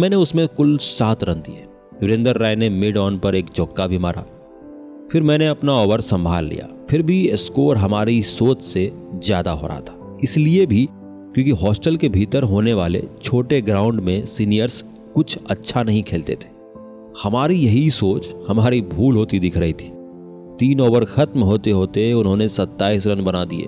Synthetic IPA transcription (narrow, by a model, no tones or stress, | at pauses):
mɛ̃ːneʊsmẽkʊlsaːt̪ɾɐ̃nt̪iɦɛː | ʋɪɾẽnd̪əɾːaːjnemɪɖɔːnpɐɾeːkd͡ʒɔːkːabʱima̰ːɾa̰ː | fɪɾmɛ̃ːneɐpnaɔːʋəɾsɐ̃mbʱaːlːḭja̰ːfɪɾbʱiskoːɾɦɐmaːɾisoːt͡ʃse | zja̰ːd̪a̰ɦo̰ːɾʔa̰ɦt̪ʰḁ | ɪsliebʱi | kjõːkiɦɔːsʈəlkebʱiːt̪əɾɦoːneʋaːlḛt͡ʃʰoːʈeɡɾaːʊ̃ɳɖmẽsiːnijəɾs | kʊt͡ʃʰɐtːʃʰanɐɦĩkʰeːlt̪ḛt̪ʰe̥ː | hɐmaːɾijɐɦisoːt͡ʃhɐmaːɾibʱuːlɦoːt̪id̪ɪkʰɾɐɦit̪ʰi̥ː | t̪iːnɔːʋəɾxɐt̪mɦoːt̪eɦoːt̪eʊnɦõnesɐt̪ːaːiːsɾɐnbɐnad̪ḭḛː